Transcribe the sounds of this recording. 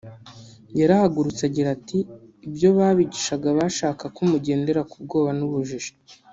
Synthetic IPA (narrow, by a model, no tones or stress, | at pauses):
jaɾahaɡuɾut͡saɟiɾatiːbjo̞βaːβiɟiʃaɡaβaʃaːkakumuɟe̞ːnde̞ɾakubɡo̞ːβanuβuʒiʒe̥